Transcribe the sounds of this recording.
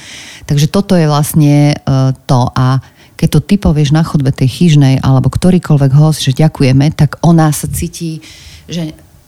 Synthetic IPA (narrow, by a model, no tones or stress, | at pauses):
t̪aɡʒɛt̪ɔt̪ɔjɛʋlasɲɛt̪ɔʔa | kɛc̚t̪ɔt̪ipɔʋɪɛʒnaxɔd̪̚bɛt̪ɛjxiʒnɛjʔa̰lɛbɔkt̪ɔɾiːkɔlʋɛɡɦɔzʒɛɟakujɛmɛt̪aɡɔnasat͡siːciːʒɛ